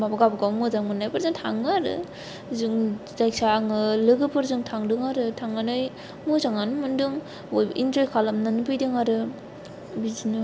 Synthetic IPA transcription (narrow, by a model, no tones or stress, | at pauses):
mabaɡabɯɡawmuzaŋmɯnːajpɯɾzɯŋtʰaŋaɾɯ̰ | zɯŋzaj̚saŋɯlɯɡɯpʰɯɾzɯŋtʰaŋdɯŋaɾɯtʰaŋanaj | muzaŋanɯmɯndɯŋ | ojbʔind͡ʒojkʰalamnɯnɯbɯjdɯŋaɾɯ | bizinɯ